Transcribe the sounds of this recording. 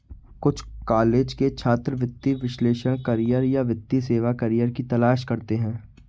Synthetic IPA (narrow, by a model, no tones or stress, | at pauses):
kʊt͡ʃʰkaːleːd͡ʒket͡ʃʰaːt̪ɾəʋɪt̪ːiʋɪʃleːʃəɽ̃kɐɾijəɾjaʋɪt̪ːiseːʋakɐɾijəɾkit̪ɐlaːʃkɐɾt̪eɦɛ̃ː